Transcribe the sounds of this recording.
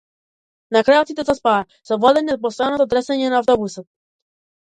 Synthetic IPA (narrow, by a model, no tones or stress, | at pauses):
nakɾajɔt̪sit̪ɛzaspaɛ | sɔvɔd̪ɛɲɛz̚pɔst̪ajnɔt̪ɔd̪ɾɛsɛɲɛnaːft̪ɔbusɔt̪̚